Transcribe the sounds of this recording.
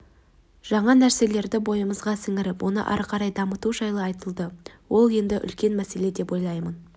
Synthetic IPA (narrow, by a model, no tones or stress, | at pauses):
ʒ̥ɑɴɑnæɾse̞le̞ɾd̪ɪbo̞jəməzʁɑsɪŋɪɾɪpwʔo̞nə̰ʔɑ̰ɾqɑɾɑjd̪ɑmət̪uʒɑjlˠəɑjt̪əlˠd̪əwo̞lˠje̞nd̪ɪʔʏ̰lkʲe̞nmæse̞le̞d̪e̞pwo̞jlˠɑjmən